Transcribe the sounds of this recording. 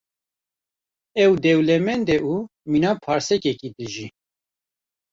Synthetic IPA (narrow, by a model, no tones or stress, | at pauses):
ɛwd̪ɛwlɛmɛnd̪ɛʔuminaːpʰɑːɾsɛkɛkid̪ɨʒi